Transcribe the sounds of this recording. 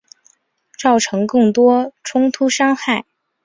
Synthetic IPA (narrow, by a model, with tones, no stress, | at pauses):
t͡sɑ˥˩ʊʈ͡ʂʰɤ˧˥ŋkɤ˥˩ŋt̪wɔ˥ʈ͡ʂʰʊ˥ŋt̪ʰu˥ʂɑ˥ŋxa˥˩ɪ